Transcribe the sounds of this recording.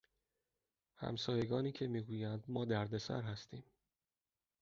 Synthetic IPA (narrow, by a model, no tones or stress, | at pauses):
hæ̰msɒːje̞ɡɒːniːcʰe̞miːɡuːjænd̪mɒːd̪æɾd̪e̞sæ̰ɾhæst̪ʰiːm